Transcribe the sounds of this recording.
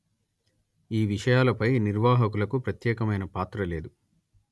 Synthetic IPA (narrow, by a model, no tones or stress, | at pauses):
iːʋiʂɐjaːlɐpɐjniɾʋaːɦɐkulɐkupɾɐt̪jɛːkɐmɐjnɐpaːt̪ɾɐle̞ːd̪u